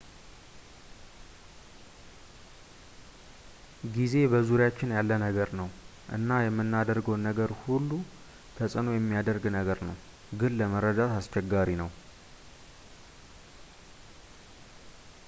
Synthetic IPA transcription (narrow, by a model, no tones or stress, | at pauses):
ɡize̞bəzuɾjat͡ʃːɪnjalːənəɡəɾnəw | ʔɨ̰nːajɛmːɨnːad̪əɾɡəwnːəɡəɾhulːu | t̪ʰəsʼɨno̞jɛmːijad̪əɾɡnəɡəɾnəw | ɡɨnləməɾːəd̪at̪ast͡ʃːɛɡːaɾinəw